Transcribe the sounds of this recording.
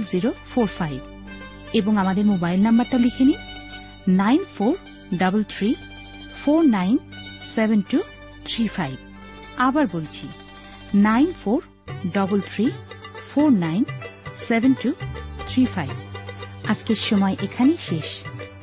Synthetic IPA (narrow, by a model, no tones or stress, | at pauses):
lziɾofʰoɾfajb | eboŋamad̪eɾmobajlnambaɾʈalikʰeni | najnfʰoɾ | ɖabəlt̪ʰɾi | foɾnajnsebʱentu | t̪ʰɾifajb | abaɾbolt͡ɕʰi | najnfʰoɾ | ɖʌbolt̪ʰɾifʰoɾnajnsebʱentut̪ʰɾifajbad͡ʑkeʃɔmɔeʔekʰaneʃeʃ